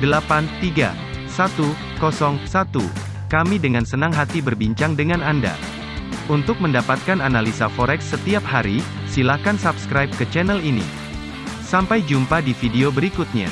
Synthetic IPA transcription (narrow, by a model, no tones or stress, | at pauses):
dəlapant̪iɡa̰ | sat̪u | kɔsɔŋsat̪ṵ | kamidəŋansənaŋɦat̪ibərbiɲt͡ʃaŋdəŋananda̰ | unt̪ʊk̚məndapat̪̚kananalisafɔɾɛksːət̪iaphaɾi | silakansapskɾajp̚kət͡ʃɛnɛlinḭ | sampajd͡ʒumpadifideobəɾikut̪̚ɲa̰